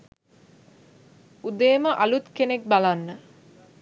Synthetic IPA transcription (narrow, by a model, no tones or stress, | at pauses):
ud̪eːməʔalut̪kenek̚balanːə